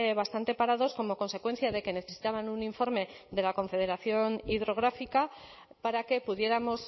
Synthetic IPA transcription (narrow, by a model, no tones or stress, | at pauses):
βast̪ant̪e̞paɾaðo̞sko̞mo̞ko̞nse̞kwe̞n̟θjaðe̞ke̞ne̞θe̞si̥t̪aβanuniɱfo̞ɾme̞ðe̞lako̞ɱfe̞ð̞e̞ɾaθjo̞niðɾo̞ɣ̞ɾafika | paɾake̞puðje̞ɾamo̞s